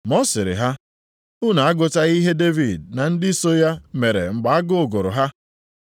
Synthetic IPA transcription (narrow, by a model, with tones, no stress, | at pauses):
mɔ˦sɪ˨ɾɪ̰˨ɦa˦ | ʊ˦na˨a˦ɡʊ˨ta˦i˦ɦe˦de˦vi˨dna˨n̩˦dɪ˦so˦ja˦me˨ɾḛ˨ŋ͡m̩˨ɡ͡ba˨a˦ɡʊ˦˨ɡo˨ɾʊ̰˨ɦa˦